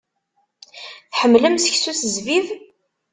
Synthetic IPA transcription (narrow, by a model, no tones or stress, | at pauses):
θħəmːləmsə̥çsuθəzvið